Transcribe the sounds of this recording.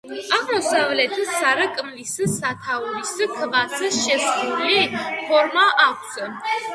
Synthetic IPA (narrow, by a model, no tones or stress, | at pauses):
aʁmɔsavlɛt̪ʰəsːaɾəkʼmlisəsat̪ʰauɾisəkʰəʁasəʃɛsχuɾlipʰɔɾmaʔakʷʰsʰə